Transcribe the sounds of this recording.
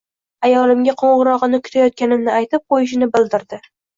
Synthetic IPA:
ajɒlɪmɡʲaqʰoɴʁɨɾɒʁɨnɪkʲʰʊ̥t̪ʰajɒt̪̚kʲanɪmnɪajt̪ɪp̚qʰojɪʃ̬ɪnɪbɪld̪ɪɾd̪ɪ

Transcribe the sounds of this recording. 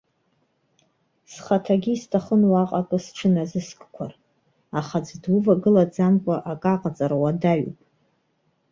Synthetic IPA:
sχatʰaɡʲiːstʰaχənwaqʼakʼɨsʈ͡ʂʷʰɨnazɨskʼkʷʰar | aχad͡zdwuvaɡɨlad͡zamkʷʼaʔakʼaqʼat͡sʼaɾawadaɥupʼ

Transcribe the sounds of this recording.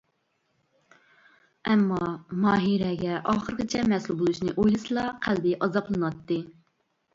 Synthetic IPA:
ɛmːɑmɑːɦiɾɛɡʲɛʔɑːχəɾqət͡ʃʰɛmɛsulˠbolˠuʃnɨʔojlˠɨsɨlˠɑqʰæld̪ɪʔɑzɑplˠɨnwɑt̪ːɨ

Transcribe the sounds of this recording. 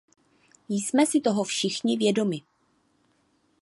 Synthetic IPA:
jsmɛsɪt̪o̞ɦofʃɪxɲɪvjɛdo̞mɪ

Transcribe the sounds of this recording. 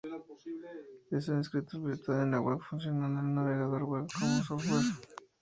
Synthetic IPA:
es̬eĩnskɾit̪osβesit̪oðenaɣweβfuns̬jonanelnaβeɣaðoɾweβkomosoββeβ

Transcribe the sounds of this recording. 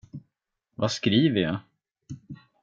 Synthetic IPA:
vaskɾiːvəja̰

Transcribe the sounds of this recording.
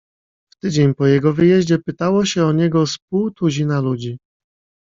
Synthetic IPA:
ft̪ɘd͡ʑeɲpɔjɛɡɔvɘjɛʑd͡ʑɛpɘt̪awɔɕɛɔɲɛɡɔsp̚uwt̪uʑinalud͡ʑi

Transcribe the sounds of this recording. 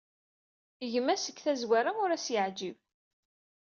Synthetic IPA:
əʝəmæsəkθæzwaɾaʊɾæsjəʕd͡ʒiv

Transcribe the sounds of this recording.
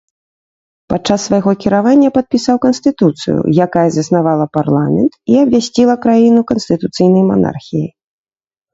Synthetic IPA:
pat͡ʂːasːvajɣɔkʲiɾavanʲːɐpɐt̪̚pʲisawkɐnsʲt̪ɨt̪ut̪sɨ̰jṵjakajɐzɐsnavalˠɐparlˠamʲɛnt̪iɐbvʲasʲt͡sʲilˠɐkɾajinukɐnst̪ɨt̪ut̪sɨjn̪ɐjma̰na̰rxʲijij

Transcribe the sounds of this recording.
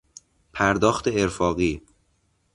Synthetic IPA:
pʰæɾd̪ɒːxt̪ʰeeɾfɒːɣiː

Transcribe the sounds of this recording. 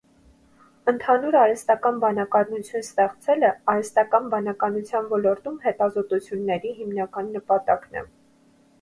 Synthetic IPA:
ənt̪ʰɑnuɾɑɾɛst̪ɑkɑnbɑnɑkɑɾnut͡sʰjunst̪ɛχt͡sʰɛləɑɾɛst̪ɑkɑnbɑnɑkɑnut͡sʰjɑnvɔlɔɾt̪umhɛt̪ɑzɔt̪ut͡sʰjunːɛɾiɦimnɑkɑnːəpɑt̪ɑknɛ̰

